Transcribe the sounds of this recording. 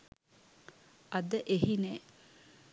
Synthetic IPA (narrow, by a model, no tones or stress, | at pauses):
ɐd̪əʔeɦinɛː